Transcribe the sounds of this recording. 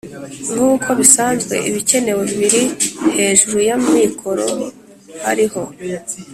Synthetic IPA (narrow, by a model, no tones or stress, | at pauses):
ŋuːkʰo̞βisaːnzɡwe̞̰ʔiβice̞ne̞we̞βiβiɾihe̞ːʒuɾujamumikʰo̞ɾo̞̰ | haɾiho̞